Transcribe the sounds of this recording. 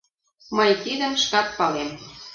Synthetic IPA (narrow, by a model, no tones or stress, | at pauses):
məjt̪id̪ə̆mʃkɑt̪̚pɑlem